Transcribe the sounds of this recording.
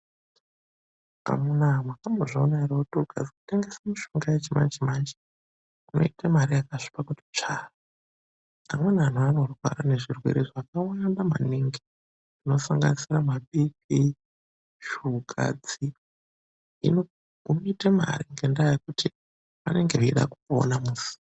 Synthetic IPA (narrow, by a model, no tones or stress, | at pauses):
a̰munamwakamboʐaonaireutuɡ̥ʱa̰d͡ziku̥te̞ŋɡesamiʃoŋɡajet͡ʃima̰nd͡ʒimaːnd͡ʒe | uno̞̰itamaɾijakaʂi̥pakuti̥t͡ʂara | amwe̞nan̤uano̞rwa̰ɾane̞ʐirwḛɾiʐakawandama̰niŋɡe | ino̞saŋɡa̰nisiramaɓiki | ʃuɡʱa̰d͡zi | ḭno | ɡʱumitema̰riŋɡendajakuti | ʋane̞ŋɡeiiɗa̰kuko̰namuːsi̥